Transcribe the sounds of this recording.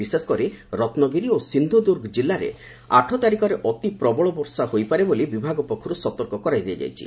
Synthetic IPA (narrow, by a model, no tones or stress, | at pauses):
iseskɔɾiɾɔt̪nɔɡiɾiosind̪ʱud̪uɾɡʱd͡ʒilːaɾḛ | a̰ʈʰɔt̪aɾikɔɾeʔɔt̪ipɾɔbɔɭɔbɔɾsaɦojpaɾebolibibʱaɡɔpɔkʰːɔɾusɔt̪ɔɾkɔkɔɾajd̪iad͡ʒa̰jt͡ʃʰḭ